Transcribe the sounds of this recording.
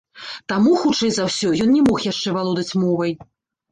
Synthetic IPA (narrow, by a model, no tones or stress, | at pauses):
t̪amuxut͡ʂɛjzawsʲɔjɔnnʲɛmɔxjaʂt͡ʂɛvalˠɔd̪ɐt͡sʲmɔvɐj